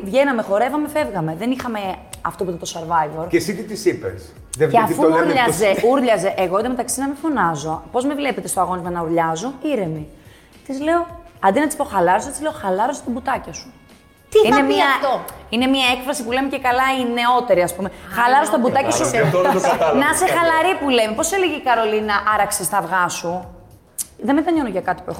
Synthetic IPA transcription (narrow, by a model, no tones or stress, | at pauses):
vʝe̞nɐme̞xo̞ɾe̞vɐme̞fe̞vɣɐme̞ðenixɐmeɐft̪opuit̪ɐt̪osɐɾvɐjvoɾcesit̪it̪isipḛs | ðeveɐfuuɾʎɐzeuɾʎɐzeʔeɣoinmet̪ɐksinɐmifo̞nɐzo̞po̞zmevle̞pe̞t̪est̪oɐɣo̞nizmɐnɐuɾʎɐzo̞iɾe̞mi | t̪izle̞o̞ɐnd̪inɐt̪ispo̞xɐlɐɾost̪izle̞oxɐlɐɾo̞st̪ɐbut̪ɐcɐsu̥ | t̪iinemiɐine̞mɲiɐekfɾɐsipule̞micekɐlɐine̞o̞t̪e̞ɾiɐspumexɐlɐɾost̪ɐbut̪ɐcɐsu | nɐsexɐlɐɾipule̞mepo̞seleʝeikɐɾo̞linɐʔɐɾɐksist̪ɐvɣɐsu | ðemet̪ɐɲo̞noʝɐkɐt̪ipuex